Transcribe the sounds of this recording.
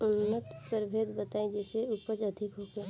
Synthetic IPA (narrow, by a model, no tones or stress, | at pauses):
ʊnːət̪pəɾbʱeːd̪bət̪aːẽd͡ʒɛːseʊpəd͡ʒɐd̪ʱɪkɦoːɡa